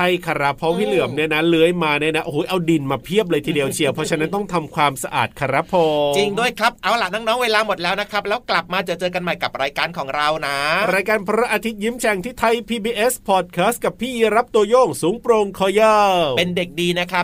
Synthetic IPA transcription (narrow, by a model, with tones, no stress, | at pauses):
tʰa˥˩jkʰa˧ɾa˦˥pʰo˧whiː˥˩lɯ˨˩əmni˥˩na˦˥lɯ˦˥əjmaː˧ni˥˩na˦˥ʔo˨huː˩˦jʔa˧wdi˧nmaː˧pʰi˥˩əp̚lɤː˧jt̪ʰiː˧di˧əwt͡ɕʰi˧əwpʰɔ˦˥t͡ɕʰa˧˥na˦˥nt̪ɔ˥˩ŋt̪ʰa˧mkʰwaː˧msa˧ʔa̰ː˨˩t̪̚kʰa˧ɾa˦˥pʰoː˧t͡ɕi˧ŋdu˥˩əjkʰɾa˦˥p̚ʔa˧wla˨˩naː˥˩ŋnɔː˦˥ŋweː˧laː˧mo˨˩t̪̚lɛː˦˥wna˦˥kʰɾa˦˥p̚lɛː˦˥wkla˨˩p̚maː˧t͡ɕaː˧˨˩t͡ɕɤː˧ka˧nma˨˩jka˨˩p̚ɾaː˧jkaː˧nkʰɔː˩˦ŋɾa˧wna˦˥ɾaː˧jkaː˧npʰɾa˦˥ʔaː˧t̪ʰi˦˥t̪̚ji˦˥mt͡ɕʰɛ˧ŋt̪ʰiː˥˩t̪ʰa˧jpʰiː˧biː˧ʔe˦˥spʰɔ˨˩t̪̚kʰaː˦˥st̪̚ka˨˩pʰːiː˥˩ji˧˥ɾa˦˥p̚t̪u˧ɐjɔː˥˩ŋsuː˩˦ŋpɾo˧ŋkʰɔː˧jɤː˥˩pe˧nde˨˩k̚diː˧na˦˥kʰa˦˥